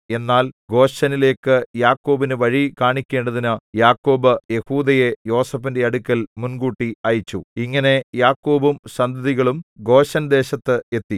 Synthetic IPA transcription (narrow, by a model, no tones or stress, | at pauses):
e̞nːaːlɡo̞ːɕɐnile̞ːkːɨjaːkːo̞ːbinɨʋɐɻikaːɳikʲːe̞ːɳɖɐðinɨjaːkːo̞ːbɨje̞huːd̪ɐje̞jo̞ːsɐfinde̞ɐɽukʲːɐlmunɡuːʈːiɐjit͡ɕːuiŋːɐne̞jaːkːo̞ːbumɕɐnd̪ʱɐðiɣɐɭumɡo̞ːɕɐnd̪e̞ːɕɐt̪ːɨe̞t̪ːi